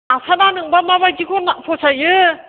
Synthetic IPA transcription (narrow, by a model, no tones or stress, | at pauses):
asʰananɯŋbamaβaɡikʰɔnapʰɔsʰajɯ